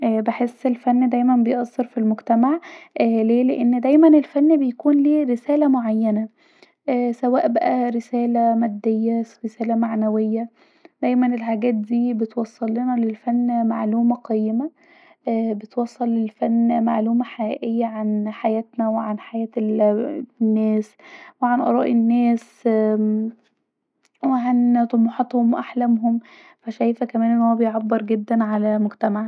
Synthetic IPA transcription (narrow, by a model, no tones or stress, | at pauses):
ʔbeħesːelfænːd̪æjmænbejʔɑsːɑɾfilmoɡt̪æmaʕʔːleːleʔenːd̪æjmænelfænːbejkuːnliːɾesæːlæmoʕajːænæ | ʔːsæwæːʔbæʔæɾesæːlæmæd̪ːejːæɾesæːlæmaʕnæwejːæ | d̪̥æjmænelħaɡæːt̪̚d̪iːbet̪wɑsˤːɑlːenɑlelfænːmaʕluːmæqɑjemæ | bet̪wɑsˤːɑlːelfænːmaʕluːmæħaʔḛʔejːæʕanħajæːt̪næweʕanħajæːt̪ | nːæːsweʕanʔɑ̰ɾˤɑ̰ːʔenːæːs | weʕant̪ˤomħɑt̪homwʔaħlæmɦom | fæʃæjfækæmæːnʔenːhowːæbejʕabːeɾˤɡed̪ːænʕalæmoɡt̪æmaʕ